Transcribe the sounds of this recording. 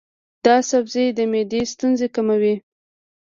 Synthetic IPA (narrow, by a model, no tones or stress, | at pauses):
d̪̥ɑsabzejd̪əmed̪est̪unzekamawi